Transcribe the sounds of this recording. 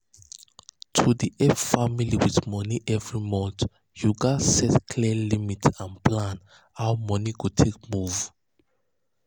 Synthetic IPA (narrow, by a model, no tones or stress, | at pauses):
tʰudiʔɛffamiliwiθmɔniʔɛvɹimɔ̃nt | juɡasɛtkʰliɛlimitʰãnpʰlãn | awmɔniɡʰutʰek̚muv